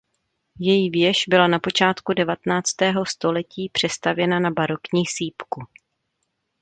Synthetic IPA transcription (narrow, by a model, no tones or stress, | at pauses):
jɛjivjɛʃbɪlanapo̞t͡ʃaːt̪kudɛvat̪ɛnaːt͡st̪ɛːɦo̞st̪o̞lɛciːpr̝̥ɛst̪avjɛnanabaɾo̞kɲiːsiːpku